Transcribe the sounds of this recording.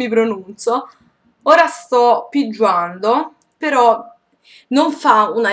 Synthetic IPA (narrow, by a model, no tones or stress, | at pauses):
ipɾonunt̪so | oːɾast̪ɔpːid͡ʒːwand̪o | peɾɔ | noɱfauna